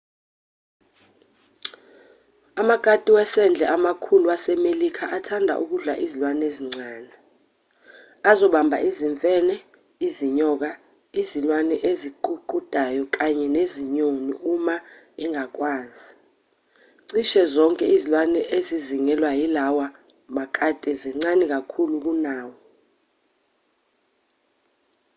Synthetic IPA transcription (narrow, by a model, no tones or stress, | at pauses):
amaɡ̥ʼatʼiwɛsɛnd͡ɮʱɛʔamakʰuluasɛmelikʰaʔatʰandʱa̰ʔuk̬uɮa̰ʔizilwaneziŋ͡ǀʱaːnɛ | azɔɓambʱa̰ʔiziɱfʼɛːnɛ | iziɲɔk̬a | izilwanɛʔeziǃuǃud̥ʱajɔk̬ʼaɲɛneziɲonḭuma | iŋak̬ʼwaːnzi | ǀiʃɛzɔŋkʼɛizilwanɛʔeziziŋɛlwajilawa | makʰʼatʼɛziŋ͡ǀanik̬akʰuluk̬unaːwɔ